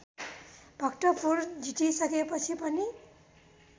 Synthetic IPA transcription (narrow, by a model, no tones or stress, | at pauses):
bʱʌktʌpuɹd͡ʒitisʌkepʌt͡sʰipʌni